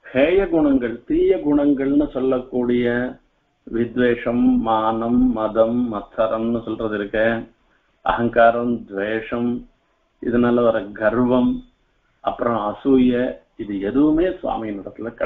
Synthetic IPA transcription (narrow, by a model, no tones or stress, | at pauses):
heːjɐɡuɳɐŋɡɐɭut̪iːjɐɡuɳɐŋɡɐɭɐnusɔlːɐkːuːɽijɐ | ʋid̪ʋeːʂɐmːaːnɐmːɐd̪ʱɐmːɐt̪ʰːɐɾɐmnusɔlɾɐd̪iɾɐkːe | ɐ̰ɦɐŋkaːɾɐmd̪ʋeːʂɐm | ḭd̪ɐnɐlːɐʋɐɾɐɡɐɾʋɐm | ɐ̰pːɾɐmɐɐsuːjɐ | id̪ued̪umeːsʋa̰ːmijɐnɐt̪ɐt̪ɐlːɐkːɐ